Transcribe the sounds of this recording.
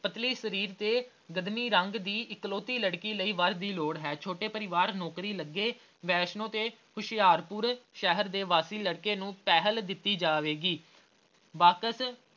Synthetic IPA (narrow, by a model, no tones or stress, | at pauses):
pət̪liːsəɾiːɾt̪eː | ɡəd̪miːɾəŋɡd̪iːʔɪkloːt̪iːləɽkiːləiːʋəɾd̪iːloːɽɦɛːt͡ʃʰoːʈeːpəɾɪʋaːɾnɔːkɾiːləɡːeː | ʋɛːʃnõːt̪eːhʊʃɪjaːɾpʊɾʃɛɦəɾd̪eːʋaːsiːləɽkeːnũːpɛːɦəld̪ɪt̪ːiːd͡ʒaːʋeːɡiː | ʋaːkəs